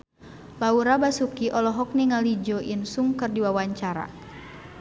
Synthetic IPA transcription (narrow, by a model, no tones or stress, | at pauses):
lauɾabasukiʔɔlɔɦɔk̚niŋalid͡ʒɔʔinsuŋkərdiwawaɲt͡ʃaɾa̰